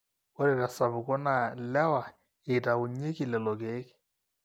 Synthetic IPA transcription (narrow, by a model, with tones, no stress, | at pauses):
ɔ˦ɾɛ˨ɾa˨sa˨bʊ˨kɔ˦na˨lɛ˦wa˨ | ɪ˨ta˨ʊ˨ɲe˦kɪ˨lɛ˨lɔ˨ke˦kɪ̥˨